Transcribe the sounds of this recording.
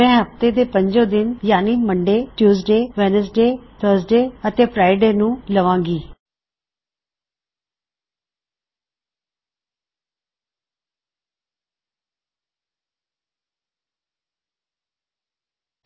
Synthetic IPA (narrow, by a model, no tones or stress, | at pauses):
ɛ̃ːɦəpt̪eːd̪eːpəɲd͡ʒõːd̪ɪnjaːniːməɳɖeːʈjuːs̬ɖeːʋɛnəs̬ɖeːt̪ʰəɾsɖeːət̪eːpʰɾaːiɖeːnũːləʋãːɡiː